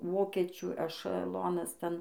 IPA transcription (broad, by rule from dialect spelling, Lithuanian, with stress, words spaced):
ˈʋoːkʲiɛt͡ʃʲuː ɛʃɐˈlˠoːnɐs ˈtʲɛn